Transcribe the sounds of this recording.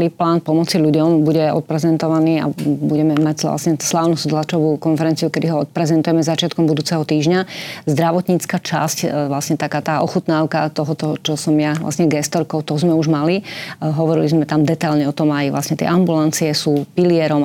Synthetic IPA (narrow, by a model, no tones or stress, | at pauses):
liːplaːnpɔmɔt͡siʎuɟɔmbuɟɛɔ̰t̪̚pɾɛzɛnt̪ɔʋaniːa̰buɟɛmɛmacla̰sɲɛslaːʊnɔzd̪lat͡ʃɔʋuːkɔnfɛɾɛnt͡siukɛd̪iɦɔɔt̪̚pɾɛzɛnt̪ujɛmɛzat͡ʃɪat̪kɔmbud̪uːt͡sɛɦɔt̪iːʒɲazd̪ɾaʋɔt̪ɲit͡skat͡ʃa̰scʋlasɲɛt̪akaːt̪aːʔɔxut̪naːʊkat̪ɔɦɔt̪ɔt͡ʃɔsɔmjaʋla̰sɲɛɡɛst̪ɔɾkɔʊt̪ɔzmɛuʒmaliɦɔʋɔɾilizmɛt̪amd̪ɛt̪aʎɲɛɔt̪ɔmajʋla̰sɲɛt̪ɪɛ̰ʔambulant͡siɛsuːpiliɛɾɔm